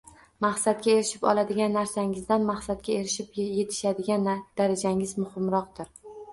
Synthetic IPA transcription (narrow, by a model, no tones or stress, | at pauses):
maχsat̪̚kʲae̞ɾɪʃɪpɒ̰lˠad̪ɪɡʲanːaɾsaŋɪzd̪anmaχsat̪̚kʲae̞ɾɪʃɪpje̞t̪ʰɪ̥ʃad̪ɪɡʲand̪̥aɾad͡ʒaŋɪzmʊhɪmɾɒq̚d̪ɪɾ